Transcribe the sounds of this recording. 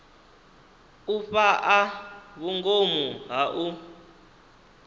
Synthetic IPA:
uɸaʔaβuŋɡomuɦaʔu

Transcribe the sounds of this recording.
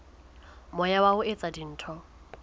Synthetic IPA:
mɔjawaʊet͡sʼadin̩ːtʰɔ

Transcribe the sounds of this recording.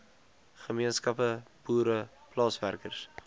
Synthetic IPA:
χəmiənskɐpəb̥uːɾəplɑːsværkərs

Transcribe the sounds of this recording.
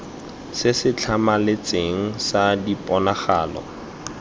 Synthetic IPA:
sɪsɪt͡ɬʰamalet͡sʼeŋ̩sadipʼɔnaχaːlɔ̰

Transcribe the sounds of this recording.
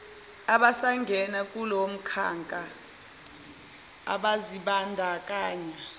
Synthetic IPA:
aɓasaŋɡʱɛnak̬ʼulom̩kʰa̰ŋkʼa | a̰ɓaziɓandʱak̬ʼaːɲɛ

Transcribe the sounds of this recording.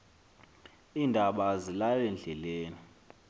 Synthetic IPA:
iːndʱaɓazilalɛnd͡ɮʱɛleːni

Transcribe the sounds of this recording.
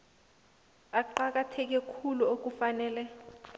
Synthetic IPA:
aǃak̬atʰɛk̬ɛkʰuluok̬ufanɛːlɛ

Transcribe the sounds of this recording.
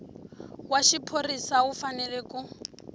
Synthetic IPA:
waʃipʰorisaufanɛlɛku

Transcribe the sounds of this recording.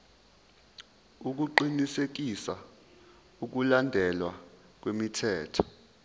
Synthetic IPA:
uk̬uǃinisek̬isa | uk̬ulandʱɛlwa | k̬wemitʰɛːtʰɔ̥

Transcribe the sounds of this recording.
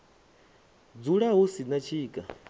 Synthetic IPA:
d͡zuɺaɦusinat͡ʃʰiːkʼa

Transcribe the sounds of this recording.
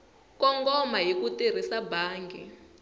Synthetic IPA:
kɔŋɡɔmaɦikutir̤isabaːŋɡi

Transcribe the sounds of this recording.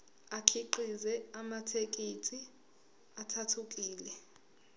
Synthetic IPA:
akʰiǃizɛamatʰek̬ʼitʰʼi | atʰatʰuk̬ʼiːlɛ

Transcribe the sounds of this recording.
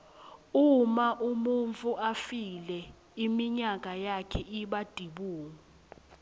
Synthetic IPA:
umaʔumuɱt͡fuʔafilɛ | imiɲakʼajakʰɛʔiɓad̥ʱiɓuːŋu

